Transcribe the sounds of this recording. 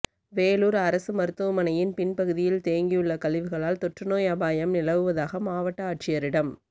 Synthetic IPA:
ʋeːluːɾɐɾɐsɯmɐɾɯt̪ːɐʋɐmɐnɐjɪnpɪnpɐɣɯðɪjɪlt̪eːŋɡijɯɭːɐkɐlɪʋɯɣɐɭaːlt̪ɔʈrɯnoːjɐbaːjɐmnɪlɐʋɯʋɐðaːɣɐmaːʋɐʈːɐaːʈ̚t͡ʃɪjɐɾɪɽɐm

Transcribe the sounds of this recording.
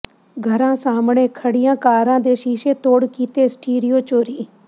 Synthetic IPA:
ɡʱəɾãːsaːmɳeːkʰəɽɪjãːkaːɾãːd̪eːʃiːʃeːt̪oːɽkiːt̪eːsʈiːɾioːt͡ʃoːɾiː

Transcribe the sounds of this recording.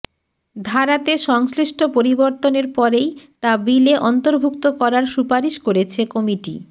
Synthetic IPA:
d̪ʱaɾat̪eʃɔŋsɾiʃʈʰopoɾiboɾt̪oneɾpɔɾejt̪abileʔɔnt̪oɾbʱuk̚t̪okɔɾaɾʃupaɾiʃkoɾet͡ɕʰekɔmiʈḭ

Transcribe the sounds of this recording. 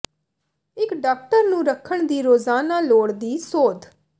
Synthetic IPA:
ɪkɖaːk̚ʈəɾnũːɾəkʰːəɳd̪iːɾoːzaːnaːloːɽd̪iːsoːd̪

